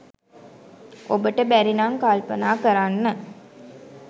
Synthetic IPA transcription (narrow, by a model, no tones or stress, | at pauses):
ʔobəʈəbæɾinaŋkaːlpənaːkəɾanːə